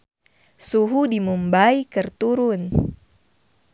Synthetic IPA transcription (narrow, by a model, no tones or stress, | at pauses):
suɦudimumbaikɨrt̪uɾʊn